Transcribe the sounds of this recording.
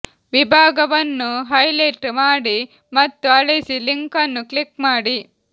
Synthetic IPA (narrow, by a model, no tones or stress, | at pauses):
ʋibʱaːɡɐʋɐnːuɦɐjlɐʈmaːɽi | mɐt̪ːuɐɭisiliŋkɐnːuklikmaːɽi